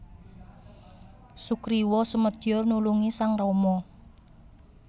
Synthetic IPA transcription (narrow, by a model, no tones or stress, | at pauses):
sukɾiwɔsəməd̪̥jɔrnuluŋisaŋrɔmɔ